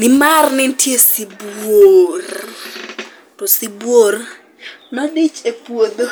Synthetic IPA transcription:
nɪmarnɪntjesibwor | tɔsɪbwor | nɔdɪt͡ʃepwod̪o

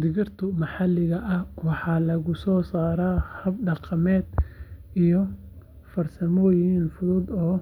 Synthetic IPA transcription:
d̪ɪɣɪrt̪ʰʊmɑħɑlːɪɣɐʔɐhwɑħɑːlɐɣʊsɔːsaːɾaːhɐbɖɑqɑmɛːd̪ijɔ | fɐrsɐmɔːjɪɦiːnfʊðʊːd̪ɔː

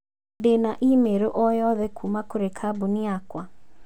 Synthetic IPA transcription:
denaʔimeɾoʔɔjɔðɛkʰumakoɾekʰabuniakwa

